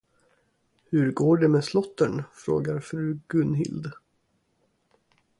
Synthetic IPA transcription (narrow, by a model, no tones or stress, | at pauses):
hɵɾɡoːɖɛmeːslɔt̪ːəɳfɾo̰ːɡaɾfɾʉ̟ːɡɵnɦɪ̰ld̪